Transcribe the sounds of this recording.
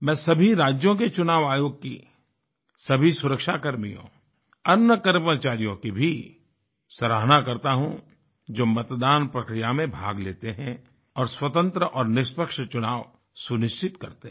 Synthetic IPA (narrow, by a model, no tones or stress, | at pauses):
mɛ̃ːsɐbʱiɾaːd͡ʒjõk̬et͡ʃʊnaːʋaːjoːɡ̚kḭ | sɐbʱisʊɾəkʃakɐɾmijõ̰ | ɐnːəkəɾmət͡ʃaːɾijõkibʱi | sɐɾaːɦnakɐɾt̪aɦũ | d͡ʒoːmɐt̪d̪aːnpɾɐkɾijamẽbʱaːɡleːt̪eɦɛ̃ | ɔːɾswɐt̪ə̃nt̪ɾəʔɔːɾnɪʃpəkʃt͡ʃʊnaːʋ | sʊnɪʃt͡ʃɪt̪kɐɾt̪e